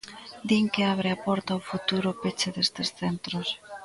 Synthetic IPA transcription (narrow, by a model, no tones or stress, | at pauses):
d̪iŋkɪaβ̞ɾeapɔɾt̪awfut̪uɾʊpet͡ʃeðest̪esθent̪ɾos